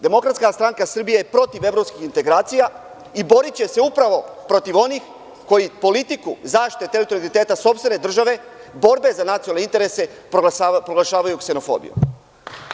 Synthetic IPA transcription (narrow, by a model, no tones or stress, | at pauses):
d̪e̞mo̞kɾat̪skast̪ɾaŋkasr̩bijejepɾo̞t̪iʋe̞vɾo̞pskixint̪e̞ɡɾaːt̪sija | ibo̞ɾit͡ɕe̞se̞upɾaʋo̞pɾo̞t̪iʋo̞nix | ko̞jipo̞lit̪ikuzaːʃi̥t̪et̪eit̪oɾlit̪e̞ːt̪aso̞pst̪ʋe̞ned̪r̩ʒaʋe̞ | bo̞ɾbe̞zanat̪sionalneint̪e̞ɾe̞se̞ | pɾoɡlaʃaːʋajukse̞no̞fo̞̰ːbḭjṵ